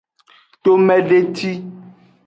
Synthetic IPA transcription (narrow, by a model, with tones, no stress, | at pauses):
t̪o˦mɛ̃˦ɖe˦t̪i˦